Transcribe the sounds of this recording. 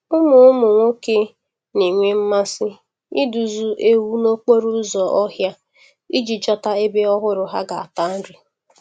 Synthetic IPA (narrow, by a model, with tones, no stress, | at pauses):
ʊ˦mʊ˨ʊ˦mʊ˨ŋʷo˦ke˦ | ni˨ŋʷe˦m̩˦ma˦sɪ˦ | i˦du˨zu˦ʔe˦wu˦no˦k͡po˦ɾu˦zɔ˨ʔɔ˦ɦja˦ | i˦d͡ʒi˨d͡ʒɔ˦ta˦e˦be˦ɔ˦ɦʊ˦ɾʊ˨ɦa˦ɡa˨a˨ta˦n̩˦ɾɪ˨